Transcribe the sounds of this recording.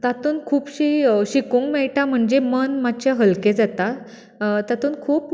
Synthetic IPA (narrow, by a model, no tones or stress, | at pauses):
t̪at̪uːnkʰuːpɕiːɕikũŋkmɛɭʈam̤əɳd͡zemənmat̪t͡ɕʰjaɦəlkẽd͡zat̪a | t̪at̪uːnkʰuːp